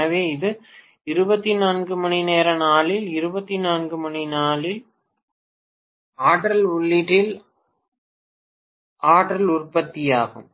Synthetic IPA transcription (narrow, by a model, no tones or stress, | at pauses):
ɐʋeːɪðɯ | ɪɾɯbɐt̪ːinaːnɡɯmɐɳineːɾɐnaːlɪlɪɾɯbɐt̪ːinaːnɡɯmɐɳinaːlɪl | aːʈɾɐlʊɭːɪʈɪl | aːʈɾɐlʊrpɐt̪ːɪjaːɣɯ̰m